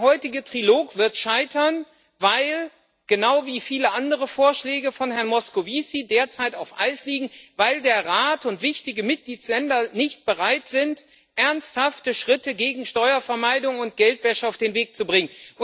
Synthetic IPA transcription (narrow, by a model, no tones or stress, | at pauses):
ɦɔʏtɪɡətʁ̥iloːkv̥ɪɐtʃaɪtɐn | vaɪl | ɡ̥ənaʊviːfiːləʔandəʁəfoːɐʃlɛːɡəfɔnhɛɐnmɔskoviːsideːɐt͡saɪtaʊfʔa̰ɪsliːɡŋ̩vaɪldeːɐʁaːtʊntv̥ɪçtɪɡəmɪt̚ɡ̥liːtslɛndɐnɪçt̚b̥əʁaɪtz̥ɪnt | ʔɛɐnsthaftəʃʁ̥ɪtəɡeːɡŋ̩ʃtɔʏɐfɛɐmaɪdʊŋʊnt̚ɡ̥ɛltv̥ɛʃəaʊfd̥eːnveːk̚t͡subʁɪŋənʊ